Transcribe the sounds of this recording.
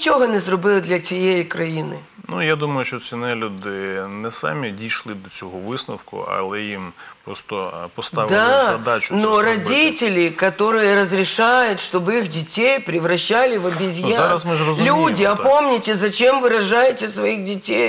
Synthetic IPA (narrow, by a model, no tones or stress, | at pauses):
t͡ʃoɦɔnɛzrɔbɪlˠɪd̪lʲɐt͡sʲijejikɾɐjinɪ | nujad̪umɐjʊʃt͡ʃɔt͡sʲinɛlʲud̪ɪnɛsɑ̰mʲidʲijʃlˠɪd̪ɔt͡sʲɔɦɔʋɪsnɐwkʊ̰ɐ̰lˠɛjimpɾɔst̪ɔpɔst̪ɑʋɪd̪aɐd̪ɑt͡ʃʊ̥noɾɐdʲitʲɪlʲɪkɐt̪oɾɨjɛɾɐzɾʲɪʃajʊtʲʃt̪ɔbixdʲitʲejpɾʲɪʋɾɐɕːalʲɪʋɐbʲizʲjazaɾɐsmɪzrɔzlʲudʲɪɐpomnʲɪtʲezɐt͡ʃɛmʋɨɾɐʒajɪtʲːɐsʋɐjixdʲitʲej